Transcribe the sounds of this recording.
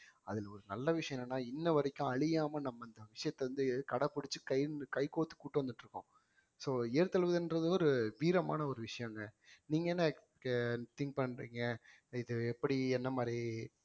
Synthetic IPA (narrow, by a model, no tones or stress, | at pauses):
ɐðɪlɐɔɾɯnɐlːɐʋɪʂɐjɐ̃nɛnːaːɪnːɐʋɐɾɐkʲːʊ̃ɐɭɪjaːmɐnɐmːɐɪnd̪ɐʋɪʂɐjɐt̪ːɛʋɐnd̪ɯkɐɽɐpʊɽɪt͡ʃːɯkɐɪkɐɪkoːt̪ːɯ̥kuːʈːɯʋɐnd̪ɯʈːɾɯkːʊ̃ | soːeːɾt̪ɐlʋɯðɐnɾɐðɯɔɾɯʋiːɾɐma̰ːnɐɔɾɯʋɪʂɐjɐ̃ŋɡɐniːŋɡɐɛnːɐ | t̪ɪŋk̚pɐɳːɾḭːŋɡɐ | ɪðɯɛpːɐɽiɛnːɐmaːd̪ɾi